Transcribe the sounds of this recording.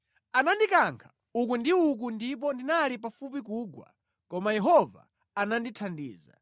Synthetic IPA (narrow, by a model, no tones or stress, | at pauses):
anandikaŋkʰḁ | uk̬wundiuk̬undip̬ɔndinalip̬afup̬ik̬uːɡwa̰ | kɔmajɛɦɔva̰ː | nanditʰandḭːza̰